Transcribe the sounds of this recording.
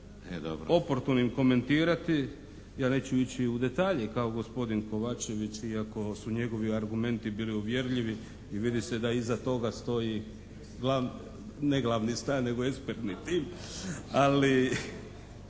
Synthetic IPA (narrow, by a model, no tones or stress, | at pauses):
ḛd̪o̰bɾo̰o̞poɾt̪unoimko̞me̞nt̪iːɾat̪i | jaːne̞ːt͡ɕuit͡ɕiud̪e̞t̪aːʎekaoɡo̞spo̞d̪inko̞ʋaːt͡ʃe̞ʋit͡ɕiako̞suɲe̞ɡo̞ʋiaɾɡume̞nt̪ibiːliuʋje̞ɾʎiʋi | iʋid̪ise̞d̪aizat̪o̞ɡast̪o̞ji | ɡla | neɡlˠaʋnist̪aɾne̞ɡoekspeɾt̪nit̪iːm | ali